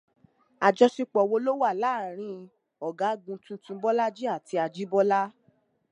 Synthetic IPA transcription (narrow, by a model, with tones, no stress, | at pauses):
a˨d͡ʒɔ˧si˧k͡pɔ˨wo˧lo˦wa˦˨la˨˦˨ɾ̃ĩ˧˦˧ | ɔ˨ɡa˨˦ɡũ˧tũ˧tũ˧bɔ˦la˦d͡ʒi˦a˦˨tʰi˧a˧d͡ʒi˦bɔ˦la˦